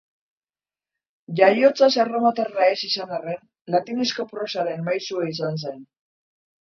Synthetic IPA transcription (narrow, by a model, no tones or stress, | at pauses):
ʝajo̞t͡sasaromat̪eraesisanaren | lat̪inesko̞pɾo̞saɾe̞nmajsuais̬ans̬en